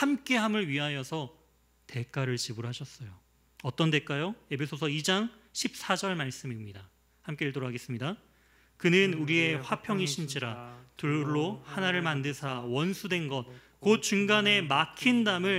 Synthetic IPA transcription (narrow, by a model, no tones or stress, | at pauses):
hamk͈e̞ɦamɯɭɥiɦajʌsʰʌ | te̞k͈aɾɯɭt͡ɕibɯɾɦaɕʰʌs͈ʌjo | ʌt͈ʌnde̞k͈ajoe̞bʰe̞sʰosʰʌid͡ʑaŋɕʰip̚s͈ad͡ʑʌɭmaɭs͈ɯmimɲida | hamk͈eiɭtoɾoɦaɡe̞s͈ɯmɲida | kɯnɯnuɾie̞ɸwapʰjʌŋiɕʰind͡ʑiɾatɯɭːohanaɾɯɭmandɯsʰawʌnsʰudwe̞nɡʌn | kot̚t͡ɕuŋɡane̞makʰindamɯɭ